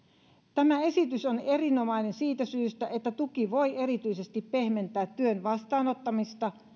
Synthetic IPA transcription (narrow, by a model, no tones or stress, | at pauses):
t̪æmæe̞sit̪yso̞ne̞rino̞mɑine̞nsiːt̪æsyːst̪æʔe̞t̪ːæt̪ukiʋo̞je̞ɾit̪yise̞st̪ippe̞hme̞nt̪ˑæːt̪ːyønʋɑst̪ɑːno̞t̪ːɑmist̪ɑ